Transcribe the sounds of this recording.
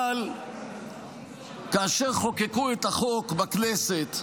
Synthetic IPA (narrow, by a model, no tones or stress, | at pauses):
al | kaːʃe̞ʁχo̞kekuet̪aχo̞kbakneset̪